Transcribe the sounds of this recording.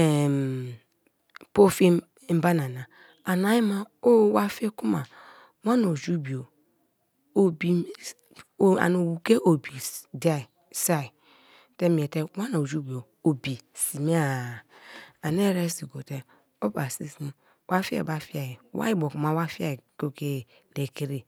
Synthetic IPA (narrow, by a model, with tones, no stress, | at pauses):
e˨m | po˦fi˦ | m̩˦ba˦na˨na˨ | a˨na˨˦ji˦ma˨o˦wa˦fe˦ku˦ma˨ | wa˦no˨d͡ʒu˦bi˨o˨ | o˨bi˨ | a̰˨no˨wu˨ke˦ʔo˨bi˨di˦a˦˨ | sa˦˨i˨ | te˦m˨e˨te˦wa˦no˨d͡ʒu˦bi˨o˨ | o˨bi˨si˨mi˦a˦˨a˨ne˦˨ɾe˦si˨ɡo˨te˦ | o˦ba˨si˦si˦ | wʔa˦fi˦ḛ˨ba˦fi˦a˨ji˨wa̰˦i˦bo˨ku˨ma˦wa˦fi˦a˦˨ko˦ke˦˨ | le˨ki˦ɾi˨